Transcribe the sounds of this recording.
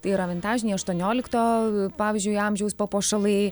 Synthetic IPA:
t̪ɐɪɪɾɐʋʲɛnt̪ɑːɪʒʲɪnʲɛɪɐʃt̪uɔnʲoːlʲɪkt̪oːpɑːʋʲiːzʲd͡ʒʲʊɪɑmʲʒʲɛʊspopoːʃɐlˠɐɪ

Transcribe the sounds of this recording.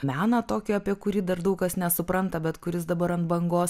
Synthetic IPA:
mʲæːnɐt̪oːkʲɪɐpʲiɛkʊɾʲiːd̪ɐrd̪ɐʊkɐsnʲɛsʊpɾɐnt̪ɐbʲɛt̪kʊɾʲɪs̬d̪ɐbɐɾɐnt̪bɐŋɡoːs

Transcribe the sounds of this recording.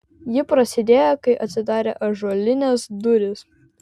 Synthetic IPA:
jɪpɾɐsʲɪd̪ʲeːjɛkɐɪʔɐt̪ʲsʲɪd̪ɑːɾʲeːʔɐʒoːlʲɪnʲɛsd̪ʊɾʲɪs

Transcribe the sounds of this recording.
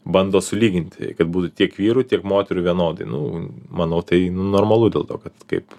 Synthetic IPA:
bɐnd̪oːsʊlʲiːɡʲɪnʲt̪ʲkɐt̪buːt̪ʊt̪ʲiɛkʋʲiːɾʊtʲiɛkmoːt̪ʲɛɾʊʋʲiɛnoːd̪ɐɪnʊmɐnɐʊt̪ɐɪnʊnoːrmɐlˠud̪ʲḛːlˠt̪oːkɐt̪kɐɪp

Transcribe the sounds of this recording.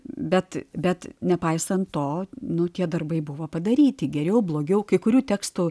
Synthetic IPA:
bʲɛt̪bʲɛt̪nʲɛpɐɪsɐnt̪toːnʊt̪ʲiɛd̪ɐrbɐɪbʊʋoːpɐd̪ɐɾʲiːt̪ʲɪɡʲɛɾʲɛʊblˠoːɡʲɛʊkɐɪkʊɾʲuːt̪ʲæːkst̪ʊ

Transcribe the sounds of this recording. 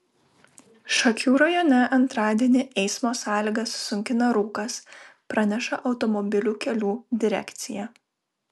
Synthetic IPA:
ʃɐkʲuːɾɐjoːnʲɛʔɐnt̪ɾɑːd̪ʲiɛnʲɪʔɛɪsmoːsɑːlʲiːɡɐsːʊŋʲkʲɪnɐɾuːkɐspɾɐnʲɛʃɐʔɒʊt̪ɔmɔbʲɪlʲuːkʲɛlʲuːd̪ʲɪɾʲɛ̰kʲt̪sʲɪjɛ

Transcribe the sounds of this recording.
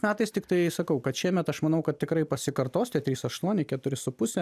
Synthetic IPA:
mʲæːt̪ɐɪst̪ʲɪkt̪ɐɪsɐkɐʊkɐt̪ʃʲiɛmʲɛt̪ɐʃmɐnɐʊkɐt̪̚ʲt̪ʲɪkɾɐɪpɐsʲɪkɐrt̪oːsʲt̪ʲɛt̪ʲɾʲiːsɐʃt̪uɔnʲɪkʲɛt̪ʊɾʲɪsʊpʊsʲɛ

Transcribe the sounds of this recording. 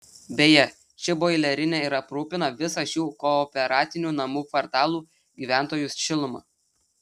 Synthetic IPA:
bʲejɛ | t͡ʃʲɪboɪlʲɛɾʲɪnʲeˑɪɾɐpɾuːpʲɪnɐʋʲɪsɐʃjuːkɔːpʲɛɾɑːt̪ʲɪnʲuːnɐmuːkʋɐɾt̪ɑːlˠuː | ɡʲiːʋʲæˑnt̪oːjʊsʲʃʲɪlˠʊmɑ̰

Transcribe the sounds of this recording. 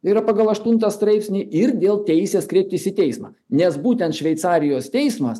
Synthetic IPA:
iːɾɐpɑːɡɐlˠɐʃt̪ʊnt̪ɐst̪ɾɐɪpʲsʲnʲɪʔɪɾd̪ʲeːlˠt̪ʲɛɪsʲeːskɾʲeːp̚ʲt̪ʲɪsʲɪt̪ʲɛɪsmɐ̰ː | nʲɛsbuːt̪ʲɛnt̪ʃʲʋʲɛɪt̪sɑːɾʲɪjoːst̪ʲɛɪsmɐs

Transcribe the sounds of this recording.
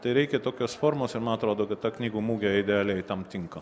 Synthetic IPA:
t̪ɐɪɾʲɛɪkʲɛt̪oːkʲoːsfoːɾmoːsɪɾmɐnɐt̪ɾoːd̪oːkɐt̪t̪ɑːknʲiːɡuːmuːɡʲɛɪd̪ʲɛɑːlʲɛɪt̪ɐmt̪ʲɪŋkɐ

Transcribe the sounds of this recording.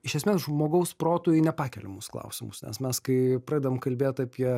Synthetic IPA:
ɪʃʲɛsʲmʲeːs̬ʒmoːɡɐʊspɾoːt̪uːjʊnʲɛpɑːkʲɛlʲɛ̰musklˠɐ̰ʊsʲɪmʊsnʲɛ̰smʲɛskɐɪpɾɑːd̪ʲʋomkɐlʲbʲeːt̪ɑːpʲiɛ

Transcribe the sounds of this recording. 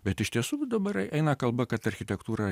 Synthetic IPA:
bʲɛt̪ɪʃt̪ʲiɛsuːd̪ɐbɐɾɛʔɛɪnɐkɐlˠbɐkɐt̪ɐɾʲxʲɪt̪ʲɛkt̪uːɾɐ

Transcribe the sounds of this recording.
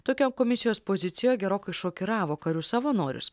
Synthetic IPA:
t̪oːkʲoːmkoːmʲɪsʲɪjoːspoːzʲɪt̪sʲɪjojɡʲɛɾoːkɐɪʃoːkʲɪɾɑːʋoːkɐɾʲʊsɑʋɐnoːɾʲʊ̰s

